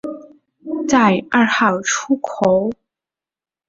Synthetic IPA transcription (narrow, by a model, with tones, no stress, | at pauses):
t͡sa˥˧ɪa˥˧xɑ˥˩ʊʈ͡ʂʰu˥kʰo˧˥˦ʊ